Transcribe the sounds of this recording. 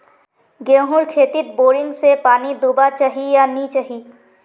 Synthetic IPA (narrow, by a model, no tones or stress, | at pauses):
ɡẽːɦʊɾkʰeːt̪ɪt̪̚boːɾɪ̃ŋɡsepaːnid̪uːbat͡ʃaːɦijanit͡ʃaːɦiː